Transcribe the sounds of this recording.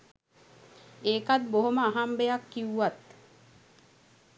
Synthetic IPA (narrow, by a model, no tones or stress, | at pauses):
eːkat̪̚boɦoməaɦambejakːiwuʋat̪